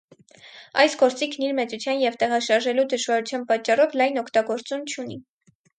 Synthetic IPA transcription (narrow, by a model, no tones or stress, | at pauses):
ɑjsɡɔɾt͡sikʰniɾmɛt͡sut͡sʰjɑnjɛvt̪ɛʁɑʃɑɾʒɛlud̪əʒvɑɾut͡sʰjɑnpɑt͡ʃːɑrɔvlɑjnɔkʰt̪ɑɡɔɾt͡sumt͡ʃʰuni